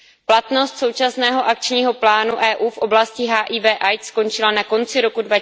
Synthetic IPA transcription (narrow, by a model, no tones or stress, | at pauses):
plat̪no̞st̪so̞wt͡ʃasnɛːɦo̞ʔak̚t͡ʃɲiːɦo̞plaːnuʔɛːʔuːfʔo̞blascɪɦaːʔiːvɛːʔajt̪sko̞nt͡ʃɪlanako̞nt͡sɪɾo̞kudva